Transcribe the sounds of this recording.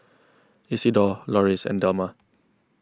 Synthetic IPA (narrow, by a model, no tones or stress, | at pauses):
isidɔlɔɹisɛ̰̃ndəmə